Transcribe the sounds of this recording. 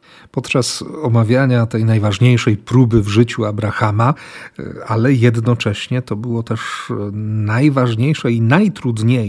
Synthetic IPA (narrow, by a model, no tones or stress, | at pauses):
pɔt̪t͡ʂasɔmavʲjaɲat̪ɛjnajvaʐɲejʂɛjpɾubɘvʐɘt͡ɕuabɾaxama | alɛjɛd̪nɔt͡ʂɛɕɲɛt̪ɔbɘwɔt̪ɛʂ | najvaʐɲejʂɛinajt̪ɾud̪ɲe